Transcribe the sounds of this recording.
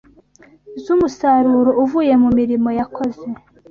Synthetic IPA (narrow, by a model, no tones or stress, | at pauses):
zumusaɾuɾouvuje̞mumiɾimo̞jako̞ze̞